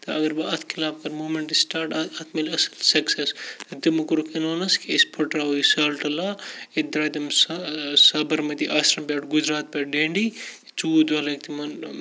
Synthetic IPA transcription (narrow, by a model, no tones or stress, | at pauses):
t̪ɐɐɡɐɾbɐɐt̪ʰkʰilaːb̚kɐɾmuːmeɳʈisʈaːɾʈɐɐt̪ʰmɐlɐsɐlsɐksest̪ɐt̪ɨmɨkuɾukenoːnɐskiespʰɐʈɾaːoisalʈɐlaːed̪ɾaːt̪ɐmssɐbɐɾmɐt̪iʔaːsɾɐmpʲjaːʈɡud͡ʒɾaːt̪̚pʲaːɖeːɳɖi | t͡suːd̪ɐlɐk̚t̪imɐn